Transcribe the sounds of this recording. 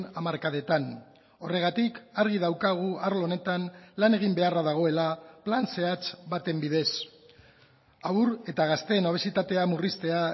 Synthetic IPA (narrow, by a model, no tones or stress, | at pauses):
namaɾkaðe̞t̪an | o̞re̞ɣ̞at̪ikaɾɣ̞ið̞awkaɣ̞uaɾlo̞ne̞t̪anlane̞ɣ̞imbe̞araðaɣ̞o̞e̞laplanse̞at͡sbat̪e̞mbið̞e̞s | auɾe̞t̪aɣ̞ast̪e̞noβ̞esit̪at̪e̞amurist̪e̞a